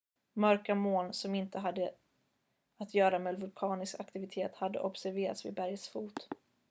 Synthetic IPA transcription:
mœɾkamoːnsɔmɪnt̪əɦad̪ːə | at̪ʰjœːɾameːd̪vɵlkʰɑːnɪskakt̪ɪvɪt̪ʰeːt̪had̪ːə̰ʔɔbsæɾveːɾa̰t̪svɪ̰bæɾjəsfuːt̪

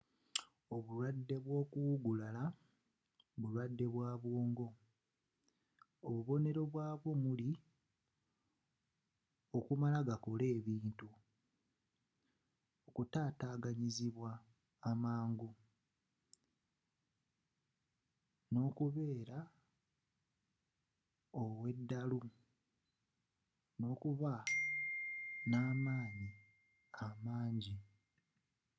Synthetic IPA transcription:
o̞βulwadːe̞βwo̞ːkuɡulala | βulwadːe̞βwaːβwoːŋɡo̞ | oβuβo̞ne̞ɾo̞βwaːβwo̞muli | okumalaɡako̞le̞ːβiːntu | okutaːtaːɡaɲiziβwaː | maːŋɡu | no̞ːkuβe̞ːɾa | owe̞dːalu | no̞ːkuβa | naːmaːɲi | amaːɲɟi

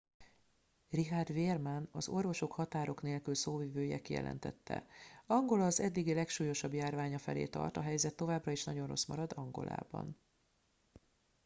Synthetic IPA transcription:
riɦaːrd̪veːrmanɒzorvo̞ʃo̞khɒt̪aːɾo̞kneːlkylsoːviːvøːjɛkijɛ̰lʔɛ̰n̪t̪ɛ̰t̪ːɛ̰ɒŋɡo̞lɒːzɛd̪ːiɡilɛkʃuːjo̞ʃɒbjaːrvaːɲɒfɛlḛːt̪ɒ̰rt̪ɒɦɛjzɛt̪ːo̞vaːbrɒiʃnɒɟo̞nro̞̰smɒɾɒd̪ɒŋɡo̞̰lʔa̰ːbɒ̰n

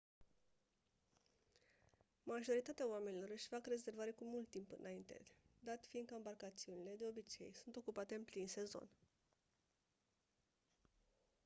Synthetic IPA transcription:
maʒo̞ɾit̪at̪eaowame̞nilo̞ɾɨʃʲfakre̞ze̞rvaɾe̞kumult̪ːimpɨnaint̪e̞̰d̪at̪fiːnɡ̪kəɨmbarkat̪siunile̞d̪e̞o̞bit͡ʃe̞̰jsunt̪o̞kupat̪e̞ɨmplinse̞zo̞̰n

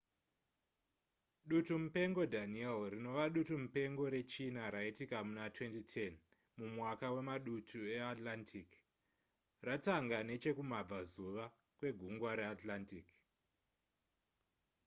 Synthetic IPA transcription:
ɗutumupe̞ŋɡo̞dʱanielrino̞ʋaɗutumupe̞ŋɡo̞ɾe̞t͡ʃinaɾaitikamunatwe̞ntitʰe̞n | mumwakawe̞maɗutʰue̞atlantʰik | rataŋɡane̞t͡ʃe̞kumab͡vazuʋa | kwe̞ɡʱuŋɡwaɾe̞atlantik

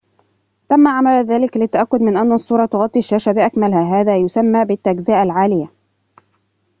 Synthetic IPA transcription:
t̪amːaʕamalðaːlɪklɪt̪ːaʔakːʊd̪mɪnʔanːasˤːuːɾˤɑt̪ʊɣɑt̪ˤːiaʃːaːʃabɪʔakmalhaːɦaːðaːjʊsamːaːbɪt̪ːaɡzaːʔalʕaːlɪja

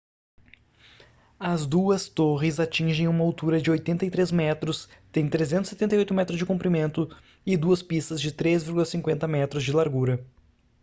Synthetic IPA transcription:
ɐzd̪uɐst̪oʁɪzat͡ʃĩʒẽj̃ũmɐawt̪uɾɐd͡ʒɪojt̪ẽnt̪ɐjt̪ɾezmɛt̪ɾʊst̪ẽj̃t̪ɾezẽnt̪ʊ̥set̪ẽnɐjojt̪ʊmɛt̪ɾʊzd͡ʒɪkũmpɾimẽnt̪ʊ | ɪd̪uɐspist̪ɐzd͡ʒɪt̪ɾezviɾɡulɐsĩŋkwẽnt̪ɐmɛt̪ɾʊzd͡ʒɪlaɾɡuɾɐ

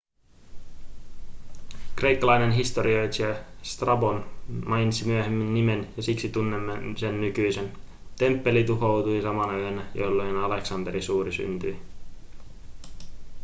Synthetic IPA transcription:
kre̞jkːɑlɑjne̞nɦist̪o̞ɾio̞jt̪est̪rɑbo̞nmɑjnsimyøɦemːinːime̞njɑsiksit̪unːemːense̞nːykyjse̞n | t̪e̞mpːe̞lit̪uɦo̞wt̪uisɑmɑnɑyønːæjo̰lːo̞jnɑle̞ksɑnd̪e̞ɾisuːɾisy̰nt̪yj

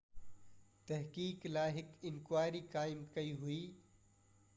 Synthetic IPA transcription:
t̪ɐɦkiːklaːɦɪkɪnkwaːɾikaːɪmkɐiɦʊiː

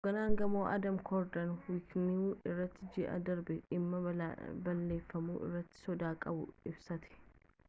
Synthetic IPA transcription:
ɡɐnaːŋɡɐmoːʔɐ̰d̪ɐmkʰɔɾd̪ɐnwɪknɪuːɪrːɐt̪ːɪd͡ʒɪʔɐ̰d̪ɐɾbɛɪmːɐbɐlːe̞ːfːɐmṵːʔɪ̰rːɐt̪ːɪ̥sɔd̪aːkʼɐbʊɪbsɐt̪ɪ̥

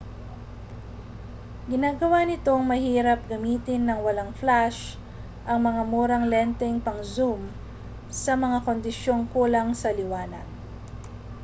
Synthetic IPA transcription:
ɡɪnaːɡɐwanɪt̪o̞ŋmɐhiːɾɐp̚ɡɐmiːt̪ɪnːɐŋwɐlaŋflaʃ | ʔɐŋmɐŋamuːɾɐŋlɛnt̪ɛŋpɐŋzum | sɐmɐŋako̞nd̪ɪʃjo̞ŋkuːlɐŋsɐlɪwaːnɐ̰d

